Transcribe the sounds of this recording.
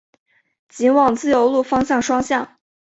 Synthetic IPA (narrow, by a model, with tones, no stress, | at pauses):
t͡ɕi˧˥nwɑ˨˩ŋt͡sɹ̩˥˩jo˧˥ʊlu˥˩fɑ˥ŋɕjɑ˥˩ŋʂwɑ˥ŋɕjɑ˥˩ŋ